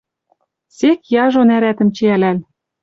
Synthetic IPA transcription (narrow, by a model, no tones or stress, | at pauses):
sekjɑʒonæɾæt̪ə̆mt͡ɕeælæl